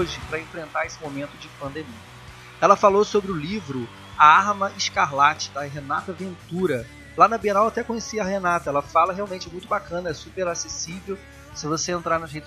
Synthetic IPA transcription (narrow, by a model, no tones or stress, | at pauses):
ʒɪpɾɐẽfɾẽnt̪aɾesɪmomẽnt̪ʊd͡ʒɪpɐ̃nd̪emiɐ | ɛlɐfalosobɾɪʊlivɾʊ | ɐaɾmɐʔɪʃkaɾlat͡ʃɪ̥d̪ɐɦenat̪ɐvẽnt̪uɾɐ | lanɐbienawat̪ɛkõɲesiɐɦenat̪ɐɛlɐfalɐɦeawmẽt͡ʃɪmũj̃t̪ʊbakɐ̃nɐɛsupeɾasesivew | sɪvoseẽnt̪ɾaɾnɐʃhejt̪